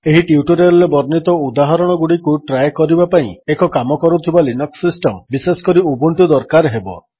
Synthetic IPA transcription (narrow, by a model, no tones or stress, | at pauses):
eɦiʈiuʈuɾelebɔɾnit̪ɔud̪aɦɔɾɔɽ̃ɔɡuɽikuʈɾajkɔɾibapaĩekɔkamɔkɔɾut̪ʰibalinɔksisʈɔmbiseskɔɾiubuɳʈud̪ɔɾkaɾɦebɔ̰